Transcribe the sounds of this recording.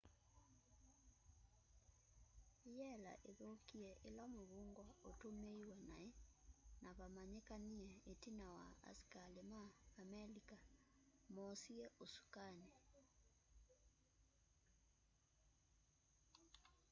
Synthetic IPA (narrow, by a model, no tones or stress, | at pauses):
jɛla̰ʔeðokiɛʔelamoβuŋɡwaotomeiwɛnaenʔaβamaɲɛkaniɛetinawa̰a̰skalemaamɛlika | mɔsiɛʔosu̥kanɛ